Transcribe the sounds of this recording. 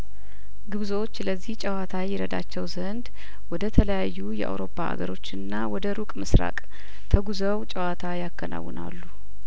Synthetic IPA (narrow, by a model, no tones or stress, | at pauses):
ɡɨβzwot͡ʃːləzːiht͡ʃʼəwat̪ʰajɪɾəd̪a̰t͡ʃːɛwzənd̪ | wɔd̪ət̪ʰələjajːujɛ̰ʔa̰wɾo̞pːaʔa̰ɡəɾo̞t͡ʃːɨnːawɔd̪əɾukʼmɨsɾa̰kʼ | t̪ʰəɡuzəwt͡ʃʼəwat̪ʰajakːəna̰wːɨ̰na̰lːu